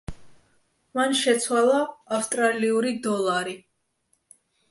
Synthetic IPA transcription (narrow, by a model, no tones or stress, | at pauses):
manʃɛt̪sʰwalˠaːfst̪ʼɾaliuɾid̪ɔlˠaɾi